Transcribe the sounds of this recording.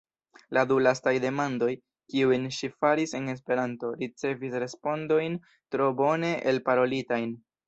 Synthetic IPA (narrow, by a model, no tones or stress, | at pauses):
ladulastajde̞mando̞j | kiujnʃifaɾise̞ne̞s̬pe̞ɾanto̞ɾit͡se̞visɾe̞spo̞ndo̞jn | tɾo̞bo̞ne̞ʔelpaɾo̞litajn